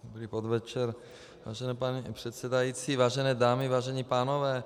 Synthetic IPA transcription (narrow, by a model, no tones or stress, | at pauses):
dobɾiːpod̪vɛt͡ʃɛɾ | va̰ːʒɛnɛːpaɲipr̥ɛt̪sɛdajit͡sivaːʒɛnɛːdaːmɪvaːʒɛɲipaːnovɛː